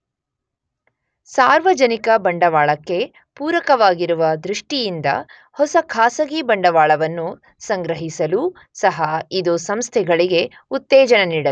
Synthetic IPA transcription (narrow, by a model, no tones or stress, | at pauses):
saːɾʋɐd͡ʒɐnikɐbɐɳɖɐʋaːɭɐkːe̞ | puːɾɐkɐʋaːɡiɾuʋɐd̪ɾuʂʈijind̪ɐ̰ | hɔsɐkʰaːsɐɡibɐɳɖɐʋaːɭɐʋɐnːu | sɐŋɡɾɐɦisɐlu | sɐɦɐid̪usɐmst̪ʰɛɡɐɭiɡe̞ | ut̪ːɛːd͡ʒɐnɐniːɽɐ